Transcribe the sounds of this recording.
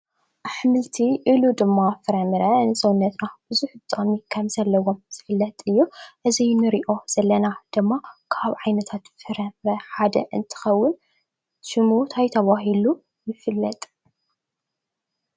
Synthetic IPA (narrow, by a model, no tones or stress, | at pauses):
ʔaħmɨlt̪ʰiʔilud̪ɨmːafɨɾɐmɨɾɐnɨsʼɐwʊnːɐt̪nab̥ɨzuħbɨt̪ʼomikʰɐmzɐlːɐwo̞mz̥ɨfɨlːɐt̪ʼɨjːuʔɨzijnɨɾiʔo̞z̥ɐlːɐnad̪̥ɨmːakʰaβʕajnɐt̪ʰat̪fɨɾɐmɾɐħad̪ɐ̰ʔɨ̰nt̪ʰɨ̥xɐwːʊn | ʃɨmut̪ʰajt̪ʰɐβaɦilu | jɪfɨlːɐt̪ʼ